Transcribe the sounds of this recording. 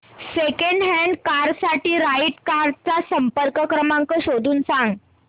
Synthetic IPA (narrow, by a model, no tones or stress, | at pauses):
sekeɳɖɦɛɳɖkaɾsaʈiːɾaiʈkaɾt͡sasəmpəɾkəkɾəmaŋkəɕod̪ʱuːnsãŋɡ